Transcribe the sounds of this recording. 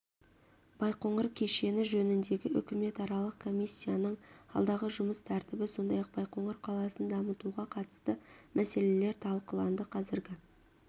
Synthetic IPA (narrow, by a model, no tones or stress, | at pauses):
b̥ɑjqo̞ɴəɾkʲʰe̞ʃe̞nɪʒɵnɪnd̪e̞ɡʲɪʔʏ̰kʲɪme̞t̪ɑɾɑlˠəqkʰo̞mʲijsʲːijanəɴɑ̰lˠd̪ɑʁəʒʊməst̪ʰæɾt̪ɪbɪso̞nd̪ɑjɑq̚b̥ɑjqo̞ɴəɾqʰɑlˠɑsənd̪ɑmət̪uʁɑqʰɑt̪ə̥st̪əmʔæse̞le̞le̞ɾt̪ʰɑlˠqəlˠɑnd̪əqʰɑzɪɾɡʲɪ